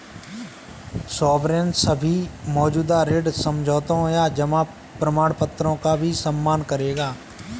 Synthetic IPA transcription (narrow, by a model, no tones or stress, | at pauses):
sɔːbɾẽːnsəbʱimɔːd͡ʒuːd̪aɾeːɖsəmd͡ʒʱɔːt̪õɦjad͡ʒəma | pɾəmaːɽpət̪ɾõkabʱisəmːaːnkəɾeːɡaː